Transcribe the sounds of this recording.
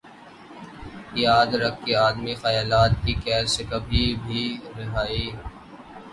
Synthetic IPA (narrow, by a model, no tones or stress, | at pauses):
jaːd̪ɾɐkʰːeaːd̪mixaːjaːlaːt̪̚kikɛːɾʃɪkəbʱibʱiɾɪɦaːiː